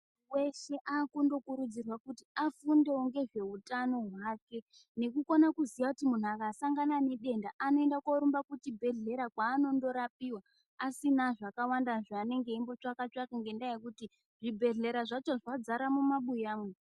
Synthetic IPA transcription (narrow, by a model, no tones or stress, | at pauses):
we̞ʃe̞ʔakundo̞kuɾud͡zirwakutiafundeuŋɡe̞ʐe̞utano̞ɦwake̞ | ne̞kukonakuzijakutimun̤uakasaŋɡanane̞ɗe̞ndaʔano̞e̞ndakwoɾumbakutibʱe̞ɮe̞ɾakwaːno̞ndo̞ɾapiwaː | sinaʐakawandaʐaːne̞ŋɡe̞imbo̞t͡ʂakat͡ʃakaŋɡe̞ndajekuti | ʐibʱe̞ɮe̞ɾaʐat͡ʃo̞ʐad͡zaɾamumaɓujaːmwe